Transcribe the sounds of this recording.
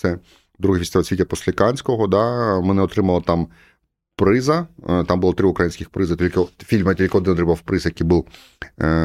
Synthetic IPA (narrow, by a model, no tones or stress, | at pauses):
sɛ | d̪ɾuɦɛfʲist̪ɪʋɛlsʋʲitʲːɐpɔsʲlʲɐkɑnʲsʲkɔɦɔd̪ɑmɛnɛɔt̪ɾɪmɐlˠɐt̪ɑm | pɾɪzɐt̪ɑmbʊlˠɔt̪ɾɪʊkɾɐjinʲsʲkʲɪxpɾɪzɪt̪ʲilʲkɪfʲilʲmɐtʲilʲkʲɪɔd̪ɪnɔt̪ɾɪbpɾɪzjɐkijbulˠ